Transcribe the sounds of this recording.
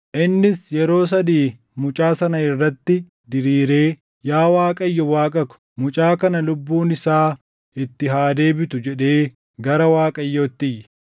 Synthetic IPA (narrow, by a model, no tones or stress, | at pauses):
ʔɪnːɪsjɛɾo̞ːs̬ɐd̪iː | mʊt͡ʃʼaːsɐnɐɪrːɐt̪ːɪ | d̪ɪɾiːɾe̞ː | jaːwaːkʼɐjːɔwaːkʼɐkʊ̥ | mʊt͡ʃʼaːkɐnɐlʊbːuːnɪsaː | ɪt̪ːɪɦaːd̪e̞ːbɪt̪ʊd͡ʒɛᶑe̞ː | ɡɐɾɐwaːkʼɐjːot̪ːɪjːɛ̥